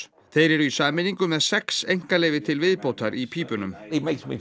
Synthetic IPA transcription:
θejɾɛɾisaːmɪniŋkʏmɛðsɛksejŋ̥kalɛːvɪt̪ʰɪlvɪðpowt̪aɾʔipʰiːpʏnʏmemeɪksmḭ

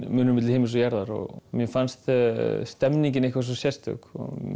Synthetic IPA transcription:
mʏːnʏmɪt̪lhɪːmɪs̬ɔjaɾðaɾɔ̰ɣmjɛfanst̪st̪ɛmniɲcɪnehkvas̬ɔsjɛst̪ʏ̰kɔ̰

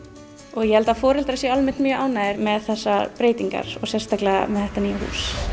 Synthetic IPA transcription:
ɔɣjɛhɛlt̪afɔːɾɪlt̪ɾasjɛalmɛnt̪mjʔaːwnaːɪɾmɛðθɛsːapɾeːjt̪iŋka̰ɾ̥ɔ̰ɣsjɛst̪aklɛa̰mɛðθɛht̪aniːjahṵːs

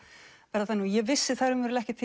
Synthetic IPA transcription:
pɛɾaθanujɛvɪsːɪθaɾʏmvɛɾʏlɛhcɪt̪ʰɪ

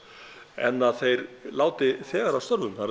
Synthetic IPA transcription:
ɛ̰nːaðθejɾlaːwt̪ɪθɛːɣaɾast̪œɾvʏnθaɾ

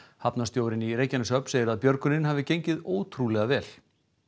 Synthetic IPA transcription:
hapnast̪joːwɾɪniɾeːjcanɪsœpnseːjɪɾaðpjœɾkʏnɪnɦaːvɪcejɲcɪðoːwt̪ʰɾulɛɣavɛːl

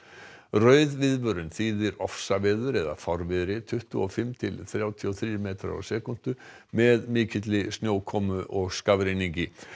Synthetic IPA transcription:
rœɥðvɪðpʏɾʏnθiːðɪɾɔfsavɛːðʏɾɛða̰fɔɾvɪðɾɪt̪ʰʏht̪ʏɔfɪmt̪ʰɪlθɾjaːwt̪ʰiɔθɾiːɾmeːt̪ɾa̰sɛːkʊn̥t̪ʏ | mɛðmiːcɪt̪lɪsnjoːwkʰɔmʏʔɔɣskavɾɪnɪŋcɪ

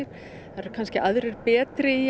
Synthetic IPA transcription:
ɪɾ̥ | θaɾɾkʰanscɪʔaðɾɛɾpɛːt̪ɾɪi

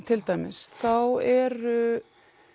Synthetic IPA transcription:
t̪ʰɪlt̪aːjmɪsθawɛɾʏ

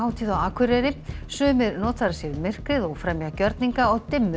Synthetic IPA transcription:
aːwt̪ʰiðawaːkʰʏɾɛɾɪsʏːmɪɾnɔːt̪ʰaɾasjɛvmɪr̥kɾɪðɔɣfɾɛmjacœɾt̪niŋkaɔɣt̪ɪmːʏ

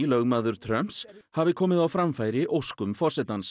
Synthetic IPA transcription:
lœɣmaðʏɾ̥t̪ʰɾœm̥pshavɪkʰɔːmɪðawfɾamfajɾɪʔowskʏmfɔr̥sɛt̪ans

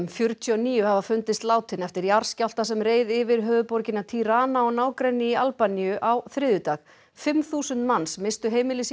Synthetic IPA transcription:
mfjʏɾt̪ʰyɔniːjʏhavafʏnt̪ɪst̪laːwt̪ʰɪnɛft̪ɪɾjaɾ̥scawl̥t̪asɛmreːjðɪvɪɾɦœːðʏpɔɾcɪnat̪ʰiɾaːnaɔnaːwkɾɛnːɪialpanijʏʔawθɾɪðʏt̪ax | fɪmθuːsʏnt̪manːsmɪst̪ʏɦeːjmɪlɪs

